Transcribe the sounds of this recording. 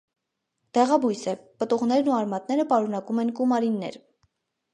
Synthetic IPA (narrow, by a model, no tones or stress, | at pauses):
d̪̥ɛʁɑbujsɛpət̪uʁn̪ɛɾnuɑɾmɑt̪̚nɛɾəpɑɾun̪ɑkumɛnkumɑɾinːɛ̰ɾ